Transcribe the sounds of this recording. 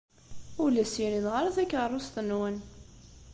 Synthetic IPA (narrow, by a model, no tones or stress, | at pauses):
ʊlæsjiniðʁaɾˤæθækːərˤːʊst̪ənwən